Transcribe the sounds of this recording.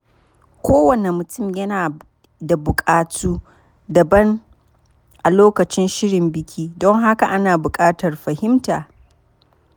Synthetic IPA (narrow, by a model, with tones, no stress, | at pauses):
kʷoː˦wɐ˨ne˨mʊ˨tʊ˦˨mjɐ˦naː˨ | da˨bʊ˨kʼaː˨tʰuː˦ | dɐ˨bɐ˦n | ʔa˨loː˦kɐ˨t͡ʃɪ˦nʃɪ˦ɽɪ˨mbɪ˨kʲʰiː˦dɔ˦ŋɦa˦ka˨ʔa˦naː˨bʊ˨kʼaː˦tɐ˨rɸɐ˨hɪ˦mtaː˨